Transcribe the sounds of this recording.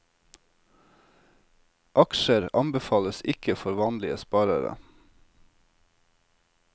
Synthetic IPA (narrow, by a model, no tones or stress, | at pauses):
ʔɑkʃəɾɑ̰mbəfɑːləsɪkəfɔɾʋɑːnlɪəspɑːɾə̰ɾə̰